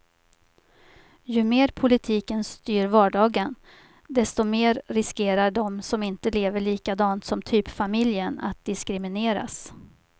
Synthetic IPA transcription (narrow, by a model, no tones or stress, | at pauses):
jɵmeːɾpʰʊlɪt̪ʰiːkənst̪yːɾvɑːɖɑːɡən | d̪ɛst̪ɔmeːɾɾɪskeːɾaɖɔmsɔmɪnt̪əleːvəɭiːkad̪ɑːnt̪sɔmt̪ʰyːpfamɪljəna̰t̪̚d̪̥ɪskɾɪmɪneːɾa̰s